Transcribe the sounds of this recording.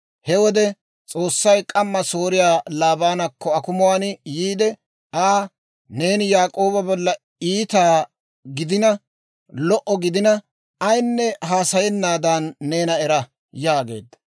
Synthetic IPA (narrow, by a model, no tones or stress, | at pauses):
hɛwɔd̪ɛ | t͡sʼo̞ːsːɐjkʼɐmːɐso̞ːɾɪjaːlaːbaːnɐkʰːɔɐkʊmʊwaːnjiːd̪ɛ | aː | ne̞ːnɪjaːkʼo̞ːbɐbɔlːɐ | iːt̪aː | ɡɪd̪ɪnɐ | lɔʔɔɡɪd̪ɪnɐ | ɐjnːɛɦaːsɐjɛnːaːd̪anːe̞ːnɐɛɾɐ | jaːɡe̞̰ːd̪ːɐ̥